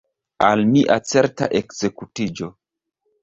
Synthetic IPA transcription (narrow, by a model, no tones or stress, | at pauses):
almiʔat͡se̞ɾtaʔekz̥e̞kutid͡ʒo̞